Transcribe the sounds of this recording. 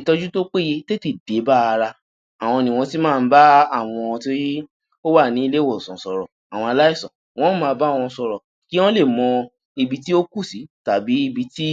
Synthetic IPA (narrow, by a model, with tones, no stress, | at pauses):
tɔ˧d͡ʒu˦to˦k͡pe˦je˧te˦te˦˨de˨˦ba˦a˧ɾa˧ | a˨w̃ɔ̃˧nĩ˨w̃ɔ̃˧ti˦mãː˦˧n̩˦ba˦a˦˨w̃ɔ̃˧to˦i˦ | o˦wa˦˨nĩ˨˦i˦le˦wɔ˨sɔ̃˨sɔ˨ɾɔ˨ | a˨w̃ɔ̃˧a˧la˦i˦˨sɔ̰̃˨ | w̃ɔ̃˦mãː˦˧ba˦˨w̃ɔ̃˧sɔ˧ɾɔ˨ki˦w̃ɔ̃˦le˦˨mɔ̃˧ | i˧bi˧ti˦o˦ku˦˨si˨˦ta˨bi˨˦i˦˧bi˧ti˦